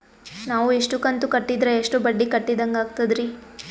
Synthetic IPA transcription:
naːʋuiʂʈukɐnt̪ukɐʈːid̪ɾeːʂʈubɐɖːikɐʈːid̪ɐŋɡaːɡ̚t̪ɐd̪ɾi

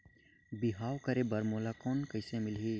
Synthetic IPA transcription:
bɪɦaːwkəɾebɐɾmoːlakoːnkəɪsẽmɪlɦi

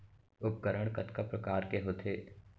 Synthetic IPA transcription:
ʊp̚ɡəɾəɽ̃kɐt̪kapɾɐkaːɾkeɦoːt̪ʰeː

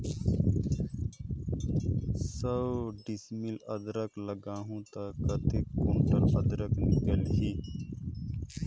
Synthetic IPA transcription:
səbɖɪsmɪləd̪ɾəkləɡaːɦũːt̪aːkət̪ekoːɳʈəɾəd̪ɾəknɪkəlɦiː

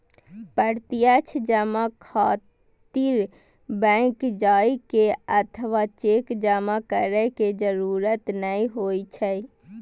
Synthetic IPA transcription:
pəɾt̪ijat͡ʃʰd͡ʒəmãkʰaː | t̪iɾ | bɛ̃kd͡ʒaːikeət̪ʰəʋat͡ʃeːkd͡ʒəmakəɾəked͡ʒəɾuːɾət̪nəĩɦoːit͡ʃʰə

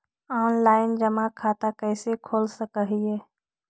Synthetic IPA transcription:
ɔːnlaːɪnd͡ʒəmãkʰaːt̪akɛːsekʰoːlsəkəɦieː

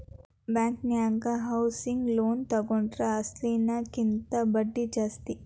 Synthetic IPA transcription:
bjaːŋkniaːŋɡɐɦɐwsiŋɡloːnt̪ɐɡoɳʈɾɐːslinɐkint̪ɐbɐɖːid͡ʒaːst̪i

